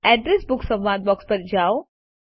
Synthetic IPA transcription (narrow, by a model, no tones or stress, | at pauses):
ɛɖɾesbʊksɐ̃mʋaːd̪̚bɔːkspɐɾd͡ʒaːo